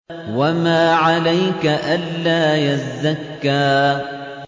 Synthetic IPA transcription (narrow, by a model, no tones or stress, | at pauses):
wamaːʕalajkaʔanːaːjazːakːaː